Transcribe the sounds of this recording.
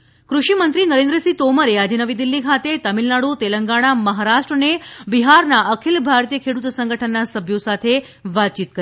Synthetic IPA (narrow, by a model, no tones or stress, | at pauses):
kɾuʃimənt̪ɾinəɾẽnd̪ɾəsit̪oməɾead͡ʒenəʋid̪ilːikʰat̪et̪əmilnaɽut̪eləŋɡaɽ̃aməɦaɾaʃʈɾənebiɦaɾnaʔəkʰilbʱaɾt̪ijəkʰeɽut̪sə̃ŋɡʱəʈʰənːasəbʱjosat̪ʰe | ʋat̪̚t͡ʃit̪̚kə